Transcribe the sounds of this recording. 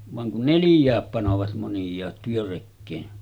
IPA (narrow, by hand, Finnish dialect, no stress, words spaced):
ʋɑŋ kun nelĭjˑæːp pɑnoʋɑt monjˑɑːt tyørekːeːn